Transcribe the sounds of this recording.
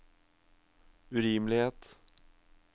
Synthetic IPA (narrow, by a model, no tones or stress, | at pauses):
ʉɾɪmlɪheːt̪